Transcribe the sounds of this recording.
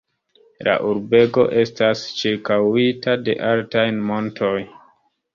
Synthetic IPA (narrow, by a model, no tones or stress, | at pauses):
la̰ʔuɾbe̞ɡo̞̰ʔe̞stast͡ʃiɾkawitade̞̰ʔaltajnmo̞ntʰo̞j